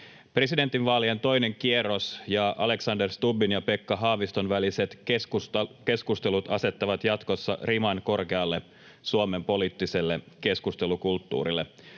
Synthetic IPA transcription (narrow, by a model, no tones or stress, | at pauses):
pre̞side̞nt̪ːˑinʋɑːlient̪o̞jne̞ŋkie̞rosjɑʔɑle̞ksɑnderst̪ubinjɑpe̞kːɑɦɑːʋist̪o̞nʋælise̞t̪ | ke̞skust̪e̞lut̪ɑse̞t̪ːɑʋɑt̪jɑt̪ko̞sːɑ̰rimɑnko̞rke̞ɑlːe̞ | suome̞mpo̞liːt̪ːise̞lːe̞ | ke̞skust̪e̞lukult̪ːṵːɾilːe